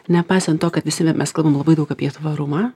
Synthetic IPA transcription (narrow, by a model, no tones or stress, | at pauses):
nʲɛpɑɪsʲɛnt̪toːkɐt̪ʋʲɪsʲɪmʲʔɛskɐlˠbɐmlˠɐbɐɪd̪ɐʊkaːpʲiɛt̪ʋɐɾʊmaː